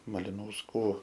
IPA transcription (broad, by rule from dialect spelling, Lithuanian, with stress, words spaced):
mɐlʲɪnɐʊsˈkuː